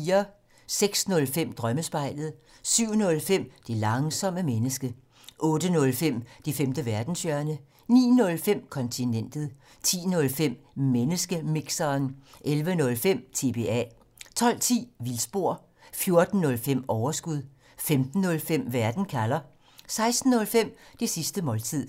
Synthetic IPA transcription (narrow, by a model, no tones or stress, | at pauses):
iːɐ | seɡ̥snɔ̽lfem̰d̥ʁɶməsb̥ɑ̈ɪ̰ləð̞̩ˠ | syʊ̰nɔ̽lfem̰d̥ilɑ̈ŋsɒ̽məmenəsɡ̥ə | ʔɔ̽ːdənɔ̽lfem̰d̥ifemd̥əʋæɐd̥n̩sjɶɐnə | nḭːnɔ̽lfem̰kʰɒ̽nt͡sʰinen̰d̥ð̩ˠ | t͡sʰḭːnɔ̽lfem̰menəsɡ̥əmiɡ̥sɐːnʔelʋənɔ̽lfem̰t͡sʰe̝b̥e̝ːɛ̰ | t͡sʰɒ̽l̰t͡sʰḭːʋilsb̥o̝ɐ̰ | fjo̝ɐd̥n̩ːɔ̽lfem̰ɒʊɐsɡ̥uð̞ˠ | femd̥n̩ːɔ̽lfem̰ʋæɐd̥n̩kʰælɐ | sɑ̈ɪsd̥n̩ːɔ̽lfem̰d̥e̝sisd̥əmɒ̽ːlt͡sʰið̰ˠ